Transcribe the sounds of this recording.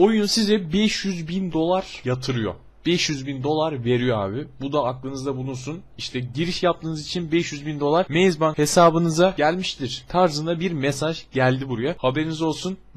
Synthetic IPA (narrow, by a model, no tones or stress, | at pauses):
o̞junsizɛbɛʃjyzbind̪o̞lˠaɾ̥jat̪ʰɯɾɯjo̞̰ | b̥ɛʃjyzbind̪o̞lˠaɾve̞ɾijo̞a̰ːbibud̪aːklˠɯnɯzd̪abunuɾsuniʃt̪ʰɛɟiɾiʃjap̚t̪ɯːnɯzit͡ʃʰinbɛʃjyzbind̪o̞lˠaɾme̞jzbanhe̞saːbɯnɯzaɟælʲmiʃt̪ʰiɾ̥t̪ʰaɾzɯnd̪abiɾmesaʒɟælʲd̪ibuɾujahabe̞ɾinizo̞lˠsun